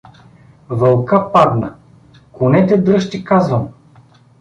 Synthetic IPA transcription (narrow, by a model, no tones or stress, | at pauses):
vɐlˠkapad̪nə | kʊnɛt̪ɛd̪ɾɤʃt̪ikazvəm